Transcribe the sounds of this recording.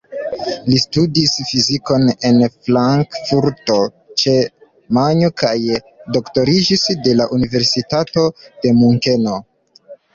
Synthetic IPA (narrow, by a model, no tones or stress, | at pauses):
listudisfiziko̞ne̞nflaŋkfuɾto̞ | t͡ʃe̞ | maɲokaj | do̞kto̞ɾid͡ʒisde̞laʔunive̞ɾsitato̞d̥e̞muŋke̞no̞